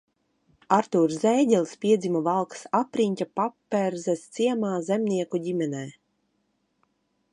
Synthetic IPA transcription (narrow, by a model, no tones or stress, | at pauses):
aɾt̪uːɾzzɛːɟʲɛlˠʲspʲiɛd̪zʲimɔvalˠksapɾiɲʲcʲapapːɛɾzɛst̪siɛmaːzɛmʲnʲiɛkuɟʲimʲɛnɛː